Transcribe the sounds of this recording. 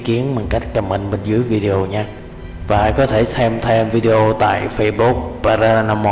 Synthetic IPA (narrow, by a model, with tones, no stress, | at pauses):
ki˨˦ənmo˨˩t̚ka˦˥jk̟̚kə˨˩m̚ɓï˨˩ŋ̟ɓe˧˩n̟zɨ˨˦əjvi˧ɗe˨ʔo˧ɲaː˧ | vaː˨˩kɔ˨˦t̪ʰe˧˩sɛ˧mt̪ʰɛ˧mvi˧ɗe˧ʔo˧t̪a̰ː˧˨jfə˧jɓu˦˥k̚paː˧zaː˧na˧mɔ˧